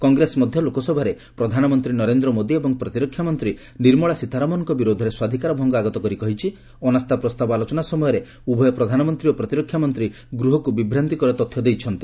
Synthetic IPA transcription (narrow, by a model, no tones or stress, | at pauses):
kɔŋɡɾesɔmɔd̪ʱjɔlokɔsɔbʱaɾe | pɾɔd̪ʱanɔmɔnt̪ɾinɔɾend̪ɾɔmod̪iebɔŋpɾɔt̪iɾɔkʰːjamɔnt̪ɾi | niɾmɔɭasit̪ʰaɾɔmɔnɔŋkɔbiɾod̪ʱɔɾeswad̪ʱikaɾɔbʱɔŋɡɔaɡɔt̪ɔkɔɾikɔɦit͡ʃʰi | ɔnast̪apɾɔst̪abɔalɔt͡ʃɔnasɔmɔjɔɾe | ubʱɔjɔpɾɔd̪ʱanɔmɔnt̪ɾiopɾɔt̪iɾɔkʰjamɔnt̪ɾi | ɡɾuɦɔkubibɾant̪ikɔɾɔt̪ɔt̪ʰːjɔd̪ejt͡ʃʰɔnt̪i